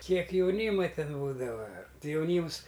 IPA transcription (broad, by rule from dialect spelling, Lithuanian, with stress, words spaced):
ˈkʲiɛk jɛʊˈnʲiːmɐ ˈtʲɛn ˈbuːdɐʋɐ ˈtɨ jɛʊˈnʲiːms